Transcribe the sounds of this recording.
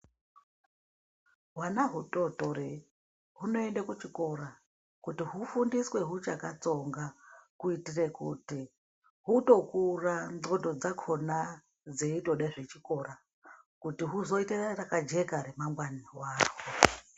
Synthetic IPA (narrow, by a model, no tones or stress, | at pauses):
ɦwanaɦuto̞to̞re | ɦuno̞e̞ndakut͡ʃiko̞ra | kutiɦufundiswe̞ɦut͡ʃakat͡so̞ŋɡakuitire̞kṵti | ɦuto̞kuranodo̞d͡zakʰo̞na | d͡zeito̞ɗaʐe̞t͡ʃiko̞ra | kutiɦuzo̞iterakad͡ʒe̞kaɾe̞maŋɡwaniwaːwo